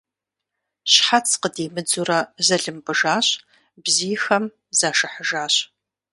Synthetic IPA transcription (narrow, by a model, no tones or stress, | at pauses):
ɕħat͡sʰqədeːmɨd͡zuːrɐzɐɮɨmbɨʒaːɕ | bzijxɐm | zaːʂɨħəʒaːɕ